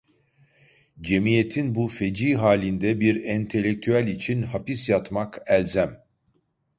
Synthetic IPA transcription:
d͡ʒe̞mije̞t̪ʰinbufe̞d͡ʒiːɦaːlʲind̪ɛbiɾɛnt̪ʰe̞lʲːek̚t̪ʰyælʲit͡ʃʰinhapisjat̪makælʲzæm

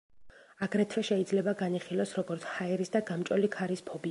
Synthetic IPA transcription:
aɡɾɛt̪ʰvɛʃɛid̪zlɛbaɡaniχilˠɔsɾɔɡɔɾt̪sʰhaɛɾisd̪aɡamt͡ʃʼɔlikʰaɾispʰɔbi

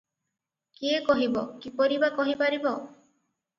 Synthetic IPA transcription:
kiekɔɦibɔkipɔɾibakɔɦipaɾibɔ

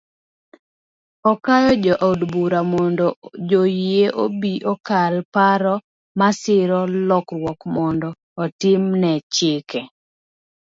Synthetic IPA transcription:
ɔkajɔd͡ʒɔʔaudbuɾamɔndɔd͡ʒojeʔobiʔɔkalpaɾɔ | masɪɾɔlɔkrwɔkmɔndɔːtɪmnɛt͡ʃeke

